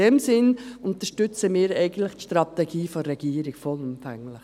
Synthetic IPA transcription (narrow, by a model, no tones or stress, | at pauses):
ɛmsɪnʊnt̪əʃtʏt͡səmɪːɾɛɪɡən̩tləχtʃtɾɑt̪ɛɡiːfɔrːɛɡ̥iːəɾɪkfɔlʊmfɛŋlɪχ